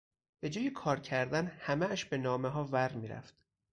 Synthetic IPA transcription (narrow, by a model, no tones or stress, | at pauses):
b̥e̞d͡ʒɒːjekʰɒːɾcʰæɾd̪ænhæmeæʃbe̞nɒːmeɦɒːvæɾmiːɾæ̰ft̪